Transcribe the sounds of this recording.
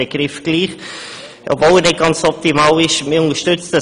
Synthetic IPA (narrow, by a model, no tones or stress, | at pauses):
əɡ̥ɾɪfɡ̥liːχ | ʔɔ̰bvoːlənɪt̚ɡ̥ɑnt͡sɔp̚timɑːlɪʃmɪʊnəʃtʏt͡std̥ɑ